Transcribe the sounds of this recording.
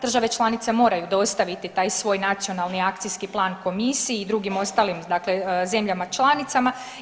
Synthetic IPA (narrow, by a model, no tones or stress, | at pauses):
d̪ɾr̩ʒaʋe̞t͡ʃlˠanit̪se̞mo̞ːɾajud̪o̞st̪aʋit̪it̪aːjsʋo̞ːjnat̪sio̞nalˠniakt̪sijskiplˠaːnko̞misiːd̪ɾuɡimo̞st̪aːlimd̪akle̞ze̞mʎamat͡ʃlˠanit̪sama